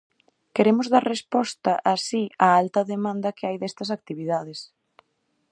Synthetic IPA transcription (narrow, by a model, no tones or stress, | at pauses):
keɾemʊzðaɾrespɔst̪ɐʔasiaalt̪ɐðemãnd̪ɐkɪajðɛst̪ɐs̬ak̚t̪iβiðaðɪs